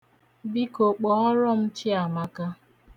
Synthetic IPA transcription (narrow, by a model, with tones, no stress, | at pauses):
bi˦ko˨k͡pɔ˨ɔ˦ɾɔ˦m̩˦t͡ʃɪ˦a˨ma˦ka˦